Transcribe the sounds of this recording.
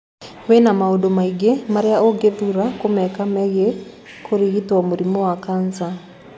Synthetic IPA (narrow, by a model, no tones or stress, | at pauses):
wɛnamaodomaiɡemaɾejaoɡeduɾakomɛkamɛɣe | kʰoɾiɣitwɔmoɾimɔwakansa